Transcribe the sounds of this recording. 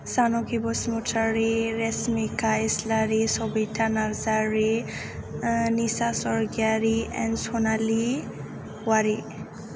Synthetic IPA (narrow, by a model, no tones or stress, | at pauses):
sanokibɔsmuʈʰaɾeɾesmikaeslaɾisɔbiʈʰanaɾzaɾe | nisasɔɾɡjaɾiɛ̰nsonali | waɾi